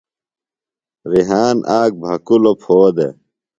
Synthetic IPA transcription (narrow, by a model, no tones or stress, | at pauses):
ɾiɦaːnʔaːk̚bʱɐkulopʰoːd̪ḛ